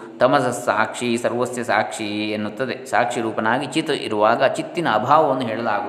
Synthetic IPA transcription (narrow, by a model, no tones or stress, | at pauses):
t̪ɐmɐsɐsa̰ːkʂisɐɾʋɐsjɐsaːkʂienːut̪ːɐd̪esa̰ːkʂiɾuːpɐnaːɡit͡ʃit̪ʔḭɾuʋaːɡɐt͡ʃit̪ːinɐːbʱaːʋɐʋɐnːuɦeːɭɐlaːɡu